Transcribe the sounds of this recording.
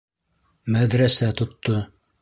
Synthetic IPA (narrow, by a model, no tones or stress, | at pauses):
mæðɾæsæt̪ŏt̪ːo